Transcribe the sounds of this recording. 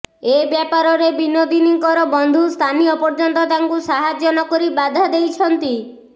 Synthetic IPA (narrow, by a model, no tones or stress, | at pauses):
ebjapaɾɔɾebinod̪iniŋkɔɾɔbɔnd̪ʱust̪ʰanijɔpɔɾd͡ʒɔnt̪ɔt̪aŋkusaɦad͡ʒjɔnɔkoɾibad̪ʱad̪ejt͡ʃʰɔnt̪i